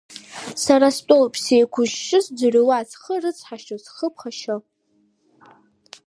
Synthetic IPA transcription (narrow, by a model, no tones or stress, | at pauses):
saɾastʼowpʰsejkʷʰʊʒʃɨsd͡zarowazχərɨt͡sʰʼħaʃosχəpʰχaʃo